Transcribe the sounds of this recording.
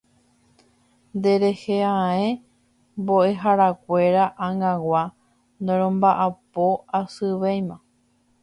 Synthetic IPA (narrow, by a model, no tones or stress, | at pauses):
nd̪e̞ɾeheãẽ | mbo̞e̞ɦaɾakʷe̞ɾaʔãŋãwa | nd̪ẽɾ̃õmbaʔapo̞asɨʋejmã